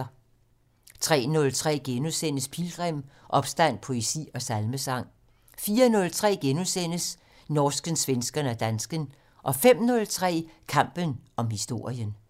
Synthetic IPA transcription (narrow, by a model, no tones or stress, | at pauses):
t͡sʰʁɛ̰ːnɔ̽lt͡sʰʁɛ̰ːɡ̥enusen̰əspʰilɡ̥ʁem̰ʔɒ̽b̥sd̥æn̰pʰo̝esḭːɒ̽sælməsɑ̈ŋ̰ | fiːɐnɔ̽lt͡sʰʁɛ̰ːɡ̥enusen̰əs | nɒːsɡ̥ənsʋensɡ̥ɐnæd̥ænsɡ̥ən | ʔɒ̽fem̰nɔ̽lt͡sʰʁɛ̰ːkʰɑ̈m̰b̥ənɒ̽mhisd̥o̝ɐ̰jən